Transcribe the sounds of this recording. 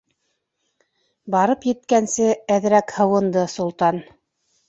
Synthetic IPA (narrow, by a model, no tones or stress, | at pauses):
bɑɾɤpjɘ̆t̪kænsɘæðɾækhɤ̆wɤ̆nd̪ɤsŏlˠt̪ɑn